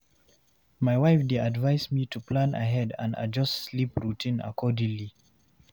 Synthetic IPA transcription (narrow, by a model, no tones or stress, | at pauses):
majwaɪfdeadvaɪsmitʰuplãna̰ɦɛdã̰na̰d͡ʒʌstslipɹutʰĩna̰kʰɔdĩŋli